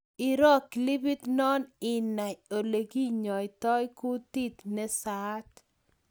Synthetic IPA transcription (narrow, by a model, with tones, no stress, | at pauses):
ɪ˨ɾɔ˦kli˦bi˦t̪nɔ˦nɪ˨na˨o˨le˨ɡi˦ɲɔ˨ɪ˨t̪ɔ˦jkʊ˦t̪i˦t̪nɛ˦sa˦t̪